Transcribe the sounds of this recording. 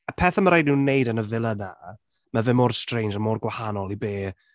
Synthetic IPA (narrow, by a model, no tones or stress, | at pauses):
əpʰɛːθaməɾajdnɪwnejdənəvɪlˠəna | məvɪmoːrstrejnsəmoːrɡwahanɔlˠibeː